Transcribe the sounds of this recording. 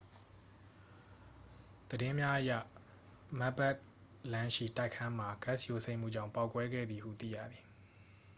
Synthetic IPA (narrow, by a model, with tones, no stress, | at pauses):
d̪̥ədɪ̃˦mja˦ʔəjä̰˦˨ | ma˦pɛ˦ʔ | lã˦ʃḭ˦˨ta˦ɪkʰã˦m̥a˨ɡ̥a˦˨sjo˨sʰẽ˦ɪ̃m̥ṵ˦˨d͡ʑã˦˨ʊ̃pa˦ʊkwɛ˦ɡɛ̰˦˨d̪i˨hṵ˦˨t̪ḭ˦˨jä̰˦˨d̪i˨